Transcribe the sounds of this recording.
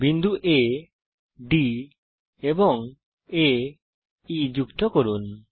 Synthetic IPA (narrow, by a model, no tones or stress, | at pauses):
bind̪uʔe | ɖi | ebɔŋ | e | id͡ʒukt̪ɔkɔɾun